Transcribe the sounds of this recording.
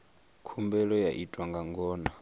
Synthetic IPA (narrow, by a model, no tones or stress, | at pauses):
kʰumbɛlɔjaʔitʼwaŋɡaŋɡɔːna